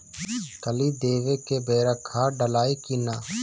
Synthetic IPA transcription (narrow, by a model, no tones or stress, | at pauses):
kəliːd̪eːʋeːkeːbeːɾakʰaːɖəlaːiːkiːnaː